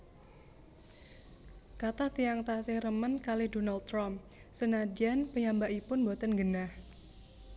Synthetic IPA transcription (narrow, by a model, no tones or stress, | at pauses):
kat̪at̪ijaŋt̪asɪhrəmənkalɪhdonald̪̚t̪ːɾam | sənad͡ʒianpəjambaʔipʊnbot̪ənɡənah